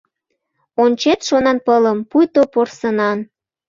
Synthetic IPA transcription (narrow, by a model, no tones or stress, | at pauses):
onʲt͡ɕet̪ʃonɑnpələmpujt̪oporsənɑn